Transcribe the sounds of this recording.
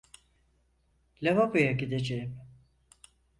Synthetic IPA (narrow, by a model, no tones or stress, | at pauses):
lʲavabɯjaɟid̪ed͡ʒejim